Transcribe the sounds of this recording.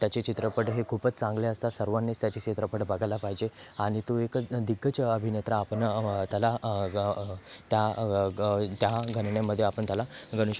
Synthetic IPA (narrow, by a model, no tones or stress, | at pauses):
t̪jat͡ɕet͡ɕit̪ɾəpəʈɦekʰuːpət͡st͡sãŋɡleəst̪asəɾʋanːest̪jat͡ɕet͡ɕit̪ɾəpəʈbəɡʱalapaɦid͡ʑeaɽ̃it̪oekd̪iɡːət͡ɕəbʱinet̪ɾaːpəɳt̪jala | t̪ja | t̪jaɡʱənɳjamːəd̪ʱːjeapəɳt̪jalaɡəɽ̃uɕ